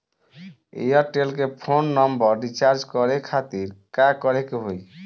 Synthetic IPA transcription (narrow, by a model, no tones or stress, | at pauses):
ḛjɔɾʈelkepʰonːɔmbəɾɖit͡ʃaɾd͡ʒkɔɾekʰat̪iɾkakɔɾekeɦoj